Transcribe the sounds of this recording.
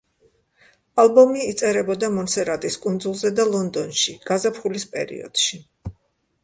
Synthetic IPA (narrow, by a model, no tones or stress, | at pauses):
alˠbɔmiːt̪sʼɛɾɛbɔd̪amɔnsɛɾat̪ʼiskʼund̪zulˠzɛd̪alˠɔnd̪ɔnʃiɡ̥azapʰχulispʼɛ̰ɾḭɔ̰d̪̥ʃi